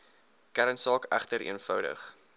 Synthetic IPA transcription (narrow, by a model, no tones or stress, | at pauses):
kæɾənsɑːkæ̰χtəɾḭənfœwdə̰χ